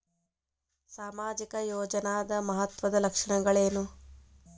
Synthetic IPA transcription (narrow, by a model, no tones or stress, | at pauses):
saːmaːd͡ʒikɐjoːd͡ʒɐnaːd̪ɐmɐɦɐt̪ʋɐd̪ɐlɐkʂɐɳɐɡɐɭeːnu